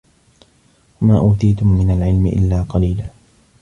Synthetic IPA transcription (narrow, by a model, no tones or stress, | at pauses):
wamaːʔuːt̪ijt̪ʊmːɪnalʕɪlmɪʔɪ̰lːaːqɑliːlaː